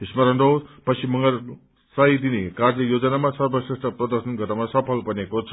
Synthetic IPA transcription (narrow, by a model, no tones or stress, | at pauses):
ismʌɾʌndopʌsimʌŋɡʌɾ | sajd̪inekaɾdʌjod͡zʌnamasʌɾbʌsisʈʌpɾʌd̪ʌɾsʌnɡʱʌɾamasʌpʰʌlpʌnekot͡sʰʌ